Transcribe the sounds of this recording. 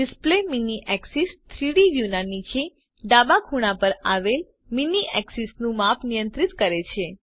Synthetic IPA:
ɖɪspleminiʔɛksist̪ʰɾiɽiʋjunanit͡ʃʰe | ɖabakʰuɽ̃ãpəɾaʋel | miniʔɛksisnũmapnijə̃nt̪ɾɪt̪kəɾet͡ʃʰe

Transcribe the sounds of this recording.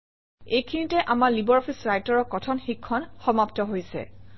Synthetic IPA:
ejkʰinitɛʔamaɹlibɔɹɔpʰisɹajtɔɹɔkɔtʰɔnxikʰːɔnxɔmaptɔɦojsɛ̰

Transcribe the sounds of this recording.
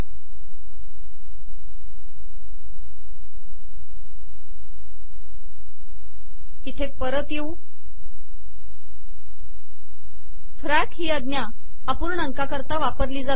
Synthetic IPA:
it̪ʰepəɾət̪jeu | fɾakɦiːəd̪njaː | puːɾɳəŋkakəɾt̪aʋapəɾliːd͡za

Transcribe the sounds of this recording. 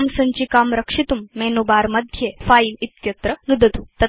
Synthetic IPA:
msɐɲt͡ɕiːkamɾəkʂit̪umːenubaɾməd̪ʱjefailit̪kjɐt̪ɾənud̪ət̪ut̪ɐ

